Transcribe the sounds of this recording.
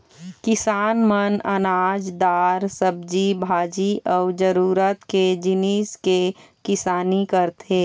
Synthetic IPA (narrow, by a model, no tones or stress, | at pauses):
kɪsaːnmənɐnaːd͡ʒd̪aːɾsəb̚d͡ʒibʱaːd͡ʒiʔɔːd͡ʒəɾuːɾət̪ked͡ʒɪniːske | kɪsaːnikəɾt̪eː